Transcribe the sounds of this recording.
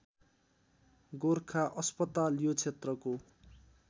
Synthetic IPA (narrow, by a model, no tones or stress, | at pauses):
ɡorkʰaʔʌspʌt̪aljot͡sʰet̪rʌko